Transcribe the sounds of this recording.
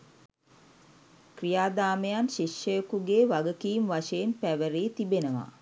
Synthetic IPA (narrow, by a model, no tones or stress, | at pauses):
krijaːd̪aːmejanʃiʃjəjəkuɡeːʋaɡəkiːmʋaʃəjenpæʋəɾiːt̪ibenəʋa̰